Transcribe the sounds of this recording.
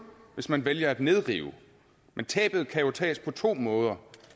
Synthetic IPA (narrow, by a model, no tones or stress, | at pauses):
ʋe̝smænʋeljɐæd̥ne̝ð̞ˠʁḭːʊ | ment͡sʰɛ̰ːb̥ð̩ˠkʰæjo̝t͡sʰɛ̰ːspʰɒ̽t͡sʰo̝̰ːmɔ̽ːð̞ˠɐ